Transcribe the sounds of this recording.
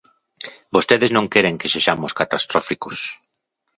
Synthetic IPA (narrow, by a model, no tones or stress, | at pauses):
bost̪eðɪznõŋkɛɾeŋkeseʃamoskat̪ast̪ɾɔfikʊs